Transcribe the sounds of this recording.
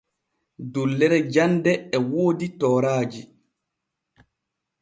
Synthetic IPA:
dulːɛɾɛd͡ʒandɛɛwoːditɔːɾaːd͡ʒi

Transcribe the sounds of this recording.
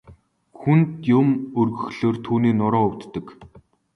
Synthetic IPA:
xunt̪jʊmɵrɣɵ̆xɮoːrt̪ʰuːniːnʊɾɔːʊwt̪ːə̆k

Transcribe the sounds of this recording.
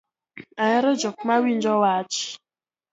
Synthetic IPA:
ajɛɾɔd͡ʒɔk̚mawind͡ʒɔwat͡ʃ

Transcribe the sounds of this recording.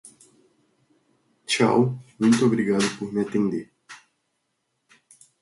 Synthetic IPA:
t͡ʃa̰wmũj̃t̪ʊobɾiɡad̪ʊpoɾmɪat̪ẽnd̪eɾ

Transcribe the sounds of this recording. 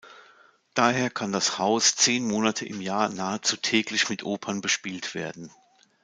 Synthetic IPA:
d̥aːɦeːɐkʰandashaʊst͡seːnmoːnatʰəʔɪmjaːɐnaːət͡suːtʰɛːklɪçmɪtʰʔoːpʰɐnbəʃpiːltv̥eːɐdn̩

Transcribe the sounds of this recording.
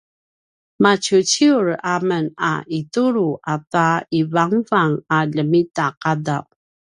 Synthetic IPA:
mat͡ɕut͡ɕiuɾaməna̰ʔituɾuʔataivaŋvaŋaʎəmitaqadaw

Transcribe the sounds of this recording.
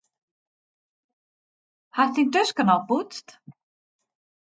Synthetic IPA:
har̥t̪int̪œskanawput̪st̪

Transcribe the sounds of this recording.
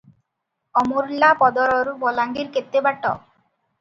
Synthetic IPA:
ɔmoɾlapɔd̪ɔɾɔɾbɔlaŋɡiɾket̪ːebaʈɔ̰

